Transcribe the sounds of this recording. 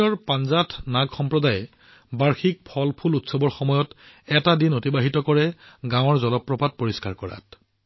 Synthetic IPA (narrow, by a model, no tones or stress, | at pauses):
ɔɹpanzatʰnaɡxɔmpɹɔdajɛ | baɹxik̚pʰɔlpʰulutsɔbɔɹxɔmɔjɔt | ɛtadinotibaɦitɔkɔɹɛɡãwɔɹzɔlɔpːɹɔpat̚poɹiskaɹkɔɹa̰t̚